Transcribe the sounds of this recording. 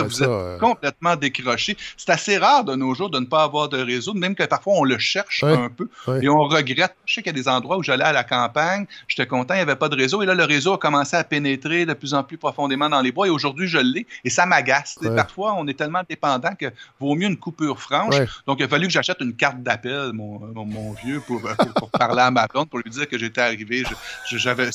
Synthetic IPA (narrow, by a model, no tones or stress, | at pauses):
vuzɛt̪kɔ̃plɛt̪̚mɑ̃d̪ekʁɔʃese̥t̪aseʁɑːʁd̪ənoʒuːʁd̪ənəpʌːvwaːʁd̪əʁezomɛ̃mkəpaʁfwaɔ̃ləʃɛʁʃœ̃pøeɔ̃ʁəɡʁɛt̪̚ʃɛkjɐd̪ezɑ̃d̪ʁwauʒalɛalakɑ̃ːpaɲʒ̥e̥t̪ɛkɔ̃t̪ɑ̃javɛpʌd̪əʁezoelʌləʁezoakɔmɑ̃seapenet̪ʁed̪əplyzɑ̃plypʁɔfɔ̃d̪emɑ̃d̪ɑ̃lebwaeoʒʊʁd̪ɥiʒəlːɛesamaɡʲast͡sepaʁfwaɔ̃nɛt̪ɛlmɑ̃d̪epɑ̃ːd̪ɑ̃kəvoːmjøːnkupyːʁfʁɑ̃ʃd̪ɔ̃kjafalykəʒaʃɛt̪ynkaʁt̪̚d̪apɛlmɔ̃mɔ̃ːvjøpuʁʊʁpuʁpaʁleamabɔ̃npʊʁlɥid͡ziːʁkəʒet̪ɛaʁiveʒəʒəʒavɛ